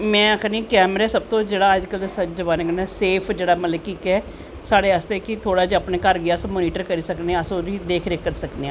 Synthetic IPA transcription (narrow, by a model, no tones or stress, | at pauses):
mɛ̃ːəkʰnĩːkɛːməɾaːsəb̚t̪õːd͡ʒeːɽaːəd͡ʒkəlsət͡ʃzəbaːnekənɛːseːpʰd͡ʒeːɽaːmət̪ləb̚kiːkɛː | saːɽeːəst̪eːkɪt̪ʰoːɽaːd͡ʒiapneːkəɾɡɪaːsmoːniːʈəɾkəɾiːsəkneãəsõid̪eːkʰɾeːkəɾsəkneːãː